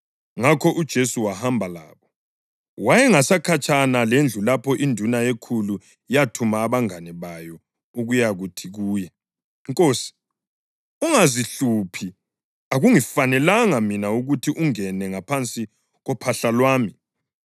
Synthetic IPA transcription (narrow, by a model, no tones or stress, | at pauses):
ŋakʰɔʔud̥ʒ̥ʱesuwahambʱala̰ːβɔ | wajɛŋasakʰat͡ʃʼʰanalend͡ɮʱulapʰɔʔindʱunajekʰulu | ijatʰumaːβaŋanɛβajɔ | uɣujaɣutʰiɣuːjɛ | ŋkʼoːsi̥ | uŋaziɬupʰi | aɣuŋifanɛlaŋaminauɣutʰiʔuŋɛnɛŋapʰant͡sʼi | ɣɔpʰaɬalwaːmi